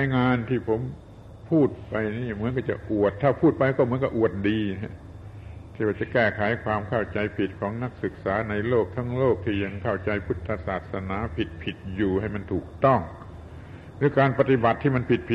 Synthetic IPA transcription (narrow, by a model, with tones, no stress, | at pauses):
jŋaː˧nt̪ʰiː˥˩pʰo˨˩˦m | pʰuː˥˩t̪̚pa˧jniː˥˩mɯ˨˦˥ənkaː˧˥˩t͡ɕa̰˨˩ʔʔu˨˩ət̪ʰːaː˧˩pʰuː˥˩t̪̚pa˧jkɔː˥˩mɯ˦ənka˧ʔu˨˩ət̪̚diː˧ɦ | t̪ʰiː˥˧˩waː˧˩t͡ɕa˨˩kɛː˥˩kʰaː˩˦jkʰwaː˧mkʰa˥˩wt͡ɕa˧jpʰi˨˩t̪̚kʰɔː˨˦ŋna˧˥˩k̚sɯ˨˩k̚saː˩˦˥na˧jloː˥˩k̚t̪ʰa˧˥˩ŋloː˥˩k̚t̪ʰiː˥˩ja˧ŋkʰa˥˩wt͡ɕa˧jpʰu˦˥˩t̪ʰːa˧saː˨˩t̪̚sa˧naː˩˦pʰi˨˩t̪̚pʰi˨˩t̪̚juː˨˩ha˥˩jma˧nt̪ʰuː˨˩k̚t̪ɔ˥˩ŋ | ɾɯː˦˥kaː˧npa˧t̪i˧˦ba˨˩t̪ʰːiː˥˩ma˧npʰi˨t̪̚pʰi˨